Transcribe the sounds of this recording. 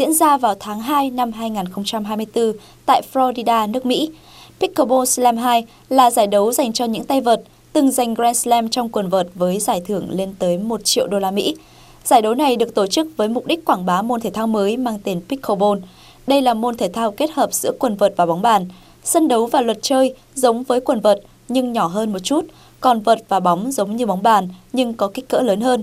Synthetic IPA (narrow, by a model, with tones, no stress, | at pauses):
zḭ˧˥ənzaː˧vaː˨˩wt̪ʰaː˨˦ŋɦaː˧jna˧mɦaː˧jŋaː˨˩nxə˧wŋ͡mt͡ɕa˧mɦaː˧jmɨ˧əjt̪ɨ˧ | t̪a̰ː˧˨jflɔ˧ɗi˧ɗaː˧nɨ˦˥ək̚mḭ˧˥ | pi˦˥kʰːo˧ɓo˧nslɛ˧mɦaː˧j | laː˨˩zaː˧˩jɗə˨˦wza˨˩jŋ̟t͡ɕɔ˧ɲɨ̰˧˥ŋt̪a˧jvəː˨˩t̚ | t̪ɨ˨˩ŋza˨˩jŋ̟ɣzɛ˧nslɛ˧mt͡ɕɔ˧wŋ͡mkwə˨˩nvəː˨˩t̚vəː˨˦jzaː˧˩jt̪ʰɨ˧˩əŋle˧nt̪əː˨˦jmo˨˩t̚t͡ɕḭ˧˨əwɗo˧laː˧mḭ˧˥ | z̥aː˧˩jɗə˨˦wna˨˩jɗɨ˨˩ək̚t̪o˧˩t͡ɕɨ˦˥k̚vəː˨˦jmʊ˨˩k͡p̚ɗi˦˥k̟kwaː˧˩ŋɓaː˨˦mo˧nt̪ʰe˧˩t̪ʰaː˧wməː˨˦jmaː˧ŋt̪i˨˩ənpi˦˥k̚ʰo˧ɓo˧n | ɗə˧jlaː˨˩mo˧nt̪ʰeː˧˩jt̪ʰaː˧wke˦˥t̚həː˨˩p̚z̥ɨ̰˧˥əkwə˨˩nvəː˨˩t̚vaː˨˩ɓa˨˦wŋ͡mɓaː˧˩n | sə˧nɗə˨˦wvaː˨˩lwə˨˩t̚t͡ɕəː˧j | zə˨˦wŋ͡mvəː˨˦jkwə˨˩nvəː˨˩t̚ | ɲɨ˧ŋɲɔ˧˩ɦəː˧nmo˨˩t̚t͡ɕu˦˥t̚ | kɔ˨˩nvəː˨˩t̚vaː˨˩ɓɔ˨˦wŋ͡mzə˨˦wŋ͡mɲɨ˧ɓa˨˦wŋ͡mɓaː˧˨˩nɲɨ˧ŋkɔ˨˦kï˦˥k̟̚kə̰ː˧˥ləː˨˦nɦəː˧n